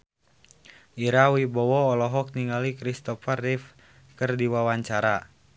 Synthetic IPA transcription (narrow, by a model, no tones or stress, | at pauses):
ʔiɾawibɔwɔːlɔɦɔk̚niŋalikɾist̪ɔfarif | kərdiwawaɲt͡ʃaɾa